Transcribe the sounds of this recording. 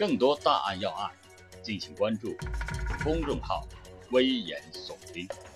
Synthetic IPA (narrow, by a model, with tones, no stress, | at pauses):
kɤ˥˩ŋt̪wɔ˥t̪a̰˥˧ʔa̰˥˧njɑ˥˧ʊa̰˥˩n | t͡ɕi˥˩nɕi˧˥ŋkwa˥nʈ͡ʂu˥˩fʊ˥ŋɻʊ˥˧ŋxɑ˥˩ʊwe˥ɪjɛ̰˧˥nsʊ˨˩ŋpi˥ŋ